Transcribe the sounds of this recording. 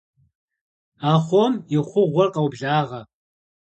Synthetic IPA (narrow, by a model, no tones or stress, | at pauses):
aːχʷomjɪχʷʊʁʷɔrqʼɐwbʒaːʁɐ